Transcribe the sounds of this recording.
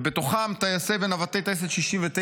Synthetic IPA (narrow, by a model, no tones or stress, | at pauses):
bet̪oχamt̪ajasevenavat̪ejt̪es̬eʃiʃimvet̪e